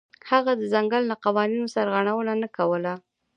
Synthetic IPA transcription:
haɣad̪əzaŋɡalnaqawɑninosaɾɣaɽ̃awəlanakawəla

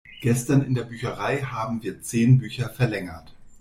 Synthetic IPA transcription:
ɡ̥ɛstɐnɪndeːɐbyːçɐʁaɪhaːbm̩viːɐt͡seːnbyːçɐfɛɐlɛŋɐt

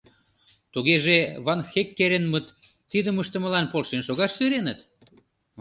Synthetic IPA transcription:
t̪uɣeʒeβɑnxekːeɾenmət̪ː | id̪əməʃt̪ə̆mə̆lɑnpolʃenʃoɣɑʃsyɾenət̪

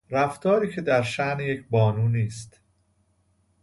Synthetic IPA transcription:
ɾæft̪ʰɒːɾiːcʰe̞d̪æɾʃæʔnejecʰbɒːnuːniːst̪

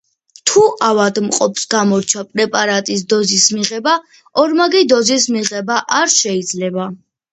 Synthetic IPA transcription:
t̪ʰuʔavad̪mqʼɔpʰsɡamɔɾt͡ʃʰapʼɾɛpʼaɾat̪ʼis̬d̪ɔzismiʁɛba | ɔɾmaɡid̪ɔzis̬miʁɛbaʔaɾʃɛid̪zlɛba

